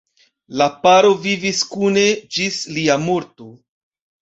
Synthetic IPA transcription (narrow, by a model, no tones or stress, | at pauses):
lapaɾo̞viviskune̞d͡ʒisliamo̞ɾto̞